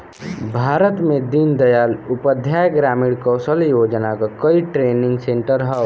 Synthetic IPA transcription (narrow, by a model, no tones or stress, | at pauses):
bʱaːɾət̪mẽd̪ind̪ɐjaːlʊpəd̪ʱjaːjəɡɾaːmiɽkɔːsəljoːd͡ʒnakakəiʈɾeːnɪ̃ŋɡsẽɳʈəɾɦɛ